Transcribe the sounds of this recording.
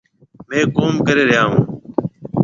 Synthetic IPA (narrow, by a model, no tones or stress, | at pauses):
mẽːkoːmkəɾeːɾɪjaːɦũː